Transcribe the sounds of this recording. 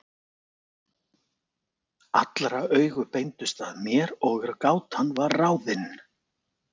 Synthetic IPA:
a̰t̪lɾaœːɥɣʏpejnt̪ʏst̪aðmjɛɾɔɣaɾkaːwt̪hanːvaɾraːwðɪn

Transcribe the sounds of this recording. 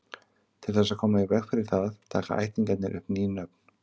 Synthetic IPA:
t̪ʰɪlθɛs̬ːaðkʰɔːmaivɛxfɪɾɪɾ̥θaðt̪ʰaːka̰a̰jt̪iŋkat̪nɪ̰ɾʔʏ̰hpninœp̚n̥

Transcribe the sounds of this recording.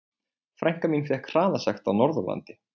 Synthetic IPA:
fɾajŋ̥kaminfjɛhkʰr̥aːðasaxt̪awnɔɾðʏla̰nt̪ɪ

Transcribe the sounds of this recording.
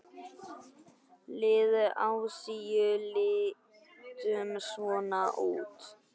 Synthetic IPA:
lɪːðʏʔawsijʏlɪ | t̪ʏmsvɔːnaʔuːt̪

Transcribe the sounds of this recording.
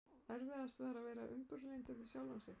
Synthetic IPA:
ɛɾvɪðast̪vɛːɾavɛːjɾaʔʏmpʏɾlejnt̪ʏɾvɪsjawlansɪ

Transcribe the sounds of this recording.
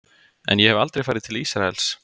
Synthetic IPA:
ɛ̰njɛhɛva̰lt̪ɾejfaːjɾɪðt̪ʰɪlisɾaɛls

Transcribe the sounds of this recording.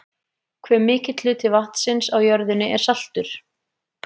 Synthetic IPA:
kʰvɛːmɪːcɪt̪lʏt̪ʰɪvaht̪sɪnsawjœɾðʏnːɪʔɛɾ̥sal̥t̪ʏɾ̥

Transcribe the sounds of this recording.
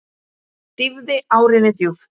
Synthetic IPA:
t̪ɪvðɪawɾɪnɪt̪juf

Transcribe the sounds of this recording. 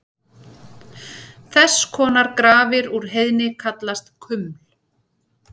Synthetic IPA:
θɛsːkʰɔːnaɾkɾaːvɪɾuɾ̥ɦejðnɪkʰat̪last̪kʰʏml̥

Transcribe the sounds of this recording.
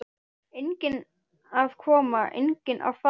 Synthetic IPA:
ejŋcɪn | að̥kʰɔːmaʔḛjŋcɪnʔa̰wfa

